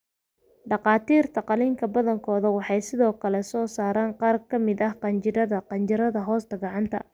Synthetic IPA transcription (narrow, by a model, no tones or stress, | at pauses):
ɖɑqɑːt̪ʰiːrt̪ʰɐqɑlɪŋkʰɐbɐðɐŋkʰɔːðɐwɑħɑjsɪðɔːkʰɐlɛsɔːsaːɾaːɴqɑːrkʰɐmɪd̪ɐhqɑnt͡ʃɪɾɐðɐqɑnt͡ʃɪɾɐðɐɦɔːst̪ʰɐɡɑʕɑnt̪ʰɐ̰